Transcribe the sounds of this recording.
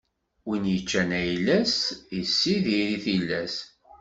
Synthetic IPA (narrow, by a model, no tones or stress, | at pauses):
winjət͡ʃːænæjlæsisːiðiɾiθilːæs